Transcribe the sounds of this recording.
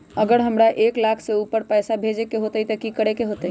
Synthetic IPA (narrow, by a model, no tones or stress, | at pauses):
əɡəɾɦəmɾaʔeklakʰseupəɾpɛjsabʱed͡ʒekeɦot̪ət̪əkikəɾekeɦot̪ə